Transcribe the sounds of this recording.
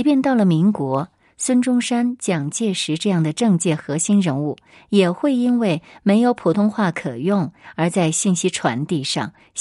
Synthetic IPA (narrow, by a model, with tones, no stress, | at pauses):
i˧˥pjɛ˥˧nt̪ɑ˥˩ʊlə˩mi˧˥ŋkwɔ˧˥ | swə˥nʈ͡ʂʊ˥ŋʂa˥nt͡ɕjɑ˨˩ŋt͡ɕjɛ˥˩ʂɻ̩˧˥ʈ͡ʂɤ˥˧jɑ˥˩ŋd̪ə˩ʈ͡ʂɤ˥˧ŋt͡ɕjɛ˥˩xɤ˧˥ɕi˥nɻə˧˥nu˥˩ | jɛ˨˩xwe˥˩ɪi˥nwe˥˩ɪme˧˥ɪjo˧˥ʊpʰu˨˩t̪ʰʊ˥ŋxwa˥˩kʰɤ˨˩jʊ˥˩ŋə˞˧˥t͡sa˥˧ɪɕi˥˩nɕi˥ʈ͡ʂʰwa̰˧˥nt̪i˥˧ʂɑ̰˥˩ŋ